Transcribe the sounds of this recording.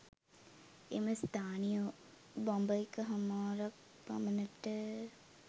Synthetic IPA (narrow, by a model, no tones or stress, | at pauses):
ḛməst̪ʰaːnijo | bɔmbɐikəɦɐmaːɾɐk̚ | pɐ̰mənəʈə